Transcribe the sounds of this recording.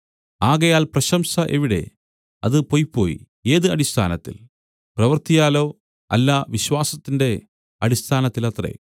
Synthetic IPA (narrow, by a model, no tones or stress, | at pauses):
aːɣɐjaːlprɐɕɐmsɐʔeʋiɽe̞̰ | ɐðɨpojpːo̞ːjḭ | eːðɨɐɽist̪ʰaːnɐt̪ːḭl | prɐʋɐrt̪ijaːlo̞ː | ɐ̰lːaʋiɕwaːsɐt̪ːinde̞ | ɐɽist̪ʰaːnɐt̪ːilɐt̪rḛ